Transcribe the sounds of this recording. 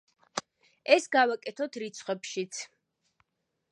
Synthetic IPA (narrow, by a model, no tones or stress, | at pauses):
ɛsɡavakʼɛt̪ʰɔt̪ʰɾit̪sʰχwɛpʃit̪sʰ